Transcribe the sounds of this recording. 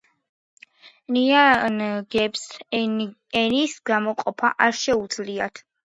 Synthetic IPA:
nianɡɛps | ɛnisɡamɔqʼɔpʰa̰ʔaɾʃɛud̪z̥liat̪ʰ

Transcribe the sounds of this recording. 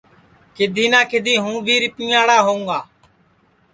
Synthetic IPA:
kɪd̪ʱiːnãːkʰɪd̪ʱiːɦũːbʱiːɾɪpĩːaːɽaːɦoːũːɡaː

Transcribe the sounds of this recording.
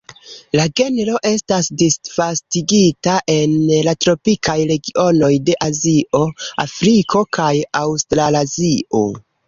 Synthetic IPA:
laɡe̞neɾo̞ʔe̞stasdisvastiɡitaʔe̞nlatɾo̞pikʰajɾe̞ɡio̞no̞jde̞ʔaziʔo̞a̰fɾikʰo̞kajawstɾalazio̞̰

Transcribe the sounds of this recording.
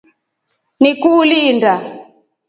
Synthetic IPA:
nikulinda

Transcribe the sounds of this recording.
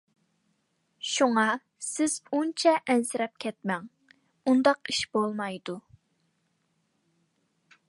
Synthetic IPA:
ʃuŋɑ | sɪz̥unt͡ʃʰɛʔɛnsɪɾɛp̚kʲʰɛt̪̚mɛŋ | und̪ɑqiʃb̥olˠmɑjd̪u

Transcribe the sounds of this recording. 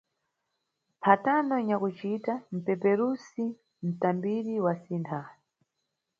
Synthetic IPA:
pʰatandɔɲakut͡ʃitam̩pɛpɛɾusi | m̩tambiɾiwasintʰan

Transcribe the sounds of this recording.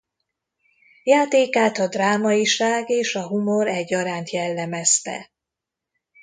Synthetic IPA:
jaːt̪eːkaːt̪ɒd̪raːmɒiʃaːɡeːʃɒɦumo̞ɾɛɟːɒɾaːnt̪jɛlːɛmɛst̪ɛ̰

